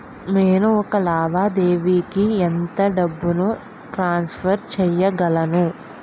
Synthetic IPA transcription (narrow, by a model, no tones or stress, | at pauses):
meːnuɔkɐlaːbʱaːd̪eːʋiːkient̪ɐɖɐbːunu | ʈɾaːnspʰɐɾt͡ʃɛjːɐɡɐlɐnu